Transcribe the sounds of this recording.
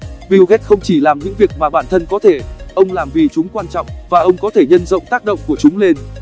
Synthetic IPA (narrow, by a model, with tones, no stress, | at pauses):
vi˧wɣɛ˦˥t̚xə˧wŋ͡mt͡ɕi˧˩laː˨˩mɲɨ̰˧˥ŋvi˨˩ək̚maː˨˩ɓaː˧˩nt̪ʰə˧nkɔ˨˦t̪ʰe˧˩ʔə˧wŋ͡mlaː˨˩mvi˨˩t͡ɕʊ˨˦ŋ͡mkwaː˧nt͡ɕɔ̰˧˨wŋ͡mvaː˨˩ʔə˧wŋ͡mkɔ˨˦t̪ʰe˧˩ɲə˧nzə̰˧˨wŋ͡mt̪aː˦˥k̚ɗə̰˧˨wŋ͡mku˧˩ət͡ɕʊ˨˦ŋ͡mle˧n